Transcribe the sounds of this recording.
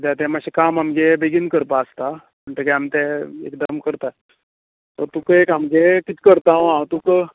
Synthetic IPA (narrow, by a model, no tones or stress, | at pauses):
d̪jat̪ɛmaɕikamamɡebeɡinkəɾpaːst̪a | məɳʈ̪ekɛamt̪ɛḛkd̪əmkəɾt̪a | t̪əɾt̪ukekamɡekit̪kəɾt̪awãwt̪ukə